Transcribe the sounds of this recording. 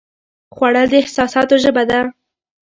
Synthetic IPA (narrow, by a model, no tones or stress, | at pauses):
xwaɽəld̪əɪhsɑsɑt̪oʒəbad̪a